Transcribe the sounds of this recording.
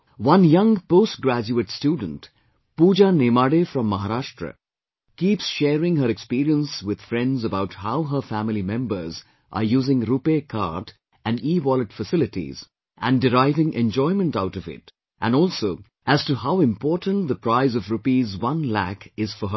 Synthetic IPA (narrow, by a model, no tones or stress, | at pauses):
wʌ̃njʌ̃ŋpoʊst̚ɡɾæd͡ʒuətstjuːdə̃n̩t | puːd͡ʒaneːmaːɖefɾʌ̃mːaɦaɾaʃʈɾə̰ | kiːpsʃɛːɾɪ̃ŋɦəɾɛkspiːɾiə̃nswɪd̪̥fɾɛ̃ndzəbaʊthaʊɦəfæmɪlimɛ̃mbə˞z | ʔa̰ɾjuːzɪ̃ŋɾupekʰa̰ɾt | æ̃nɖiwɔlətfəsɪlɪʈḭz | ʔæ̃ndɪɾaɪvɪ̃ŋʔɛ̰̃nd͡ʒɔɪmə̃ntaʊʈʌvɪ̰t | ʔæ̃nɔːlˠso | æz̥tuhaʊɪ̃mpʰɔːɾʈə̃ntd̪əpʰɾaɪzʌvɾupizwʌ̃nlæ̰kɪz̥fəɦə